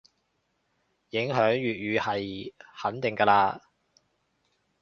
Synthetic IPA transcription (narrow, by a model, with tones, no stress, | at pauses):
jɪ˨˥ŋɦœː˨˥ŋɥyː˨t̚ɥyː˨˧hɐ˨jhɐ˨˥nt̪ɪ˨ŋkɐː˧laː˧